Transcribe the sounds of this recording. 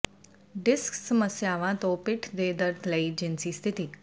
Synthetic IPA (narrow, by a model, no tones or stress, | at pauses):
ɖɪsksəməsjaʋãt̪opɪʈʰd̪ed̪əɾd̪ʰʱləid͡ʒinsist̪ʰit̪iː